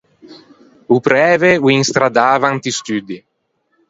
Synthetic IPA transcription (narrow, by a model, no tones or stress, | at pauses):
upɾɛːvewiŋst̪ɾad̪aːvant̪ist̪yd̪i